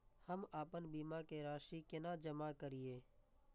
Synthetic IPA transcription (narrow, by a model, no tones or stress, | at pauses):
həmaːpənbiːmakeɾaːʃikenad͡ʒəmakəɾieː